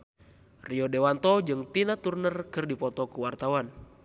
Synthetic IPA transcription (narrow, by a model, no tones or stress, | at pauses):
riɔdewant̪ɔd͡ʒɨŋt̪inat̪urnərkɨrdipɔt̪ɔkuwart̪awan